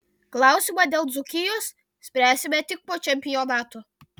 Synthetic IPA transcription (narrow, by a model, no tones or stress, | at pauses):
klˠɑˑʊsʲɪmɐd̪ʲeːlˠd̪zʊkʲɪjos | sʲpʲɾʲæːsʲɪmʲɛt̪ʲɪk̚poːt͡ʃʲɛmʲpʲɪjonɑːt̪o